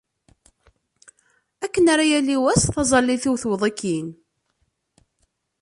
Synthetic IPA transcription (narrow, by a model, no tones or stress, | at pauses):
ækːənaɾajæliwæsθɑzˤɑlːiθiwθwðˤəkːin